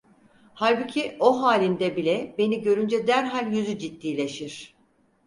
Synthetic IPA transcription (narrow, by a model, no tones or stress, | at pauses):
halʲbucʰio̞ɦaːlʲind̪ɛbilʲɛbe̞niɟø̞ɾynd͡ʒɛd̪æɾɦalʲjyzyd͡ʒit̪ːiːlʲe̞ʃiɾ̥